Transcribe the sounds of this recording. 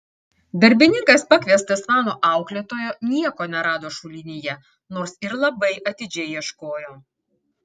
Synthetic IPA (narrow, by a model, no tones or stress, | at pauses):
d̪ɐɾʲbʲɪnʲɪŋkɐspɐkʋʲiɛst̪ɐsʋɑːnoːʔɑˑʊklʲeːt̪oːjoːnʲiɛkoːnʲɛɾɑːd̪oːʃʊlʲɪnʲɪjɛ | noːɾsɪɾlˠɐbɐɪʔɐt̪ʲɪd͡ʒʲɛɪjiɛʃkoːjoː